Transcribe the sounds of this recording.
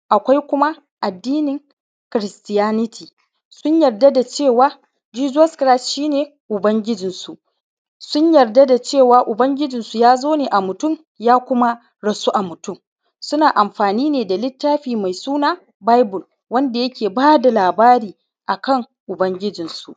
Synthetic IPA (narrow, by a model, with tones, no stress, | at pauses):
ʔa˨kʷa˦jkʷʊ˦ma˦ | ʔa˨dːiː˦nɪ˨ŋ | kɾɪ˨stɪ˦jaː˦nɪ˦tʰiː˨ | sʊ˦ɲjɐ˨rda˦da˨t͡ʃeː˦˨waː˦ | d͡ʒiː˦d͡ʒɔ˦skɾa˦sʃiː˦neː˨ | ʔʊ˨bɐ˦ŋɡʲɪ˦d͡ʒɪ˨nsu˨ʔ | sʊ˦ɲjɐ˨rda˦da˨t͡ʃeː˦˨waː˨ʔʊ˨bɐ˦ŋɡʲɪ˦d͡ʒɪ˨nsu˨jaː˦zoː˦neː˨ʔa˨mʊ˨tʊ˦˨m | jaː˦kʷʊ˦ma˦ | ɽɐ˨su˦ʔa˨mʊ˨tʊ˦˨m | sʊ˦naː˨ʔa˨mɸaː˨niː˦neː˨da˨lɪ˦tːaː˦ɸiː˨ma˨jsuː˦naː˦ | ba˦jbʊ˨l | wɐ˦nda˨jɐ˦kʲeː˨baː˦da˨laː˨baː˦ɾiː˨ | ʔa˨kɐ˦˨ŋ | ʔʊ˨bɐ˦ŋɡʲɪ˦d͡ʒɪ˨nsu˨ʔ